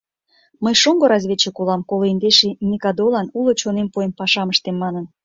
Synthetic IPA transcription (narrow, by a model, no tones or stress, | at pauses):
məjʃoŋɡoɾɑzʲβʲet͡ɕĕkolɑmkoloind̪eʃinʲikɑd̪olɑnulot͡ɕonempoempɑʃɑməʃt̪emːɑnən